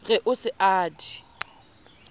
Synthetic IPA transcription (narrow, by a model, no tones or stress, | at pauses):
ɣɛʔʊsɪʔaːdi̥